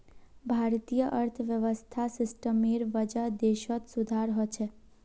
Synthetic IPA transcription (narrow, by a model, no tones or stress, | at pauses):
bʱaɾt̪ijəʔəɾt̪ʰʋjəʋəst̪ʰasɪsʈəmiɾʋəd͡ʒəd̪eʃɔt̪sud̪ʱaɾɦɔt͡ʃʰe